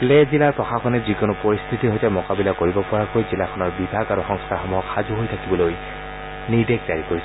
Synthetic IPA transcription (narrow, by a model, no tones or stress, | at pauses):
plezilaɹpɹɔxaxɔnɛzikonʊpoɹist̪ʰitiɦojtɛmɔkabilakoɹibɔpɔɹakojzilakʰɔnɔɹbibʱaɡaɹuxɔŋst̪ʰaxɔmuɦɔkxazuɦojtʰakibɔloj | niɹbeɡ̚zaɹikoɹisɔ